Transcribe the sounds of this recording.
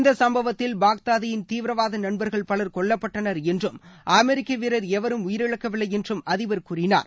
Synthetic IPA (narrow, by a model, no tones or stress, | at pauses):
nd̪ɐsɐmbɐʋɐt̪ːɪlbaːk̚t̪aːðɐjɪnt̪iːʋɾɐʋaːðɐnɐɳbɐɾɣɐɭpɐɭɐɾkɔɭːɐpːɐʈːɐnɐɾɛndrɯmʔɐmɛɾɪkːɐʋɪɾɐɾɛʋɐɾɯmʊjɪɾɪɭɐkːɐʋɪɭːɐjɛndrɯmɐðɪʋɐɾkuːrɪna̰ːɾ